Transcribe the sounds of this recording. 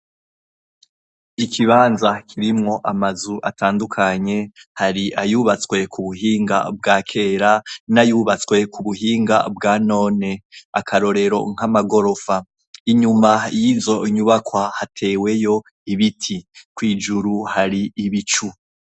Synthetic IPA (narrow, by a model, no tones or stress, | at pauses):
ikʰiβaːnzakʰiɾimŋo̞ʔamazuʔatʰaːndukʰaɲe̞haɾiʔajuβat͡skwe̞kʰuβuɦiːŋɡa̰bɡaːkʰe̞ːɾanajuːβat͡swe̞kʰuβuɦiːŋɡa̰bɡaːno̞ːne̞a̰kʰaɾo̞ɾe̞ɾo̞̰ŋ̥hamaɡo̞ɾo̞fa | iɲumajiːzo̞ɲuβakwahatʰe̞ːwe̞jo̞ | iβitʰikwiːd͡ʒuɾuhaɾiːβit͡ʃu